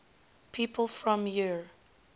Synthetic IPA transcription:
pʰiːpʰəlˠfɹɔ̃mji

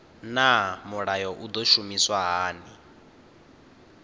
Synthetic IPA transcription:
namuɺajɔʔud̪ɔʃumiswaɦaːni

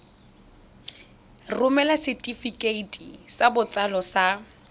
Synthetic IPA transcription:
rʊmɛlasɪtʼifikʼeitʼisabʊt͡sʼalɔsa

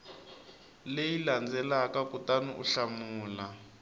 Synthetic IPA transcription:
lejiland͡zɛlakakutanuʔṵɬamuːla

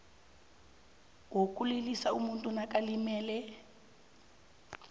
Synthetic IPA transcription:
wokulilisaumuntʼunakʼalimɛːlɛ

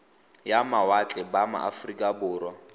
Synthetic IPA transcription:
jamawat͡ɬʼɛbama̰ʔa̰frikʼabʊːɾwɔ

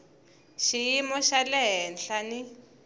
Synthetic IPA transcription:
ʃijimɔʃalɛɦɛnɬani

